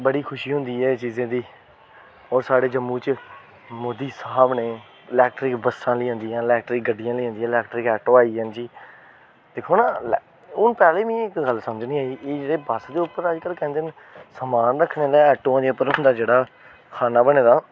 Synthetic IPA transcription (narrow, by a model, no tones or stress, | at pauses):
bəɽiːkʰʊʃiːɦʊ̃nd̪iːɦɛːt͡ʃiːzãːd̪iː | ɔːɾsaːɽeːd͡ʒəmːũːt͡ʃ | moːd̪iːsəɦəbneː | ɪlɛːk̚ʈɾɪkbəsãːləiːɦõnd̪iːãːɪlɛːk̚ʈɾɪk̚ɡəɖɪjãːləiːɦõnd̪̃ːlɛːkʈɾɪkɛːʈoːaːiːɦənd͡ʒiː | d̪̥ekʰoːnaːl | ʊnpɛːleːʋĩːɪkɡəlsəməd͡ʒnĩːaːiːʔeːd͡ʒeːɽeːbaːsd̪eːʊpːəɾəd͡ʒkəlkɛ̃ːnd̪en | səmaːnɾəkʰːneːleːɛːʈoːãːd͡ʒeːʊpəɾɦʊ̃nd̪aːd͡ʒeːɽaː | kʰaːnaːbəneːd̪aː